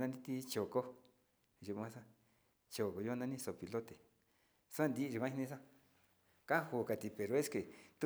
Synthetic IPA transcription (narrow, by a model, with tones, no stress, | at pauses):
nã˧nd̪ĩ˧t̪i˧t͡ʃo˨ko˦ | ju˧ã˧˦sa˦ | t͡ʃo˨ko˧˨jo˦˧nã˦nĩ˦so˨pi˨lo˦t̪e˨ | sa˦˧nd̪i˦˧u˧kʷã˦i˧nĩ˧s̬a˦ | ka˦hu˧˨ka˨t̪i˧˨pe˨ɾo˧˦e˦ske˨t̪u˦